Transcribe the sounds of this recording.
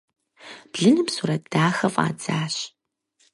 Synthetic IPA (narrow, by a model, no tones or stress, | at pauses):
b̥ɮɨnɨmsuːɾɐt̚ʰd̥aːxɐfʼa̰ːd͡zaːɕ